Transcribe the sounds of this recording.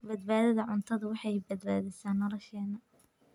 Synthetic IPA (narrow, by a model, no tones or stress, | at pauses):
bɐd̪̚baːðɐðɐʕʊnt̪ʰɐðɐwɑħɑjbɐd̪ba̰ːðɪsaːnːɔlɔʃɛːnɐ